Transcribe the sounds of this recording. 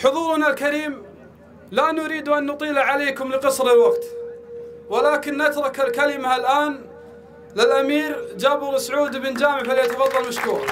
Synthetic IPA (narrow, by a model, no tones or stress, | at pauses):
ħʊðˤuːɾnalkaɾiːm | lanʊɾiːd̪uʔanːʊt̪ˤiːlaʕaleːkʊmlɪqɨsˤɾɪlwaɡt̪ | walaːkɪnːat̪ɾˤɑkalkalɪmaalʔaːn | lɪlʔamiːɾd͡ʒaːbɪɾsʕuːd̪ɪbɪnd͡ʒaːmɪʕfaljat̪afɑðˤːɑlmaʃkuːɾˤɑ